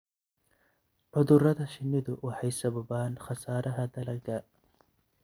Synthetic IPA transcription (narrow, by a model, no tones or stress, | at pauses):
ʕʊðʊɾɐðɐʃɪnːɪðʊwʔɑħɑjsɐbɐbaːnxɑsaːɾʔɐɦɐd̪ɐlɐɡɐ